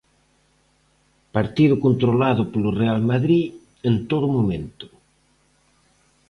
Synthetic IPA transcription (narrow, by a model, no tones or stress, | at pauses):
paɾt̪iðʊkont̪ɾolaðʊpolʊrealmaðɾi | ent̪oðʊmomẽnt̪ʊ̥